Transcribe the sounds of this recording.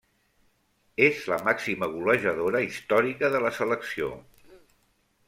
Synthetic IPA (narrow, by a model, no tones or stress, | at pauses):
ezləmaksiməɣuləʒəðoɾəist̪ɔɾikəðələsələksio̰